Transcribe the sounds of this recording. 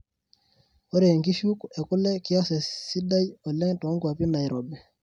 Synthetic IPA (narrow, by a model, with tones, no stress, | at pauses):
ɔ˦ɾe˨ŋki˦ʃu˦kɛ˨kʊ˦lɛ˦ki˦a˦sɛ˨si˦da˦jɔ˨lɛ˦ŋ˦tɔ˨˦ŋkwa˨pi˦na˨i˨ɾɔ˨bɛ˨